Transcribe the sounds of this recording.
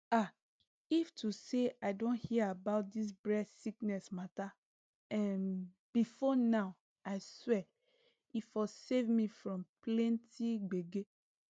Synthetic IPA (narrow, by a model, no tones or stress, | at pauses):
a | iftʰuseaɪdõnhiabaʊt̚dis̬bɹɛsiknɛsmata | ãn | b̥ifɔnaʊ | aɪswɛ | ifɔsevmifɹɔ̃mplɛ̃ntiɡ͡beɡe